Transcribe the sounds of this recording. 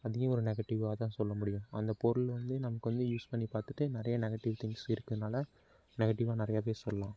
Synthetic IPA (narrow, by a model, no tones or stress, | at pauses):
ɐðɪɣɐ̃ɔɾɯnɛɣɐʈːɪʋaːt̪ãːsɔlːɐmʊɽɪjʊ̃ɐnd̪ɐpɔɾɯlʋɐnd̪ɯnɐmɐkːɯʋɐnd̪ɯjuːspɐɳːipaːɾt̪ɯʈːɯnɪɾɐjɐnɛɣɐʈɪʋt̪ʰɪŋɡsɪɾɯkːɐðɯnaːlɐ | nɛɣɐʈːɪʋaːnɪɾɐjaːpeːsɔlːɐlãː